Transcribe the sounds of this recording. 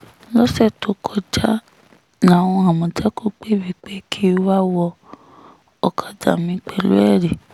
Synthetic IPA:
lɔ˦sɛ˦˨to˨˦kʰɔ˧d͡ʒa˦ | nã˨w̃ɔ̃˧a˨mɔ̃˨d͡ʒa˦ko˦k͡pe˦˨bi˨k͡pe˨˦kʰi˦wa˦wɔ˧ | ɔ˨kʰa˨da̰˨mĩ˨˦k͡pɛ˨lo̰˦ɛ˦˨ɾe˨

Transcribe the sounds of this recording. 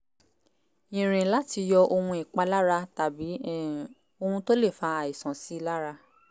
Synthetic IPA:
ĩ˨ɾ̃ĩ˨la˦ti˧jɔ˧o˧hũ˧i˨k͡pa˧la˦ɾa˧ta˨bi˨˦ | o˧hũ˧to˦le˦˨fa˧a˨i˨sã˨si˨˦la˦ɾa˧

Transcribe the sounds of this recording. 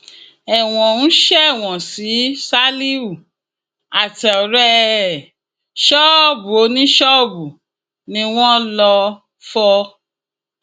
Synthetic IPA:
ɛ˨w̃ɔ̃˨ñ̩˦ʃɛ˦˨w̃ɔ̃˨si˨˦sa˦li˦u˦˨ | a˨tɛ˨ɔ˨ɾɛ˦˨ | ʃɔ˦˨bu˨o˨˧˦nĩ˦ʃɔ˦˨bu˨ | nĩ˧w̃ɔ̃˦lɔ˧ | fɔ˧

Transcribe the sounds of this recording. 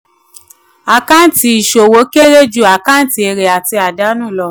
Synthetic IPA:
a˨kã˦ti˧˦i˨ʃo˨wo˨˦ke˦ɾe˦d͡ʒu˦˨a˨kã˦n̩˦ti˧˦e˧ɾe˨a˨ti˧a˨da˨˦nũː˦˨lɔ˧˨

